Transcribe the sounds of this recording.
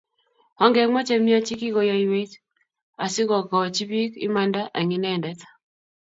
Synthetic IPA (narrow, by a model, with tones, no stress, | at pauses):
ɔ˦ŋɡɛ˨˦mɔ˦t͡ʃe˦mi˦a˦t͡ʃi˦ki˦ɡo˨ja˨i˨we˦t͡ʃ | a˨sɪ˦kɔ˨kɔ˨t͡ʃi˦bi˦kḭ˦ma˦nda˦ʔa˨ŋi˨nɛ˦˨ndɛ˦tḁ˨